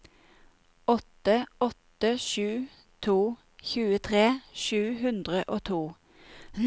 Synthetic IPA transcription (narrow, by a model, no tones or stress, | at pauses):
ɔt̪əɔt̪əʃʉː | t̪ʰuː | çʉːət̪ʰʁeːʃʉːɦʉnd̪ʁəʔoːt̪ʰuː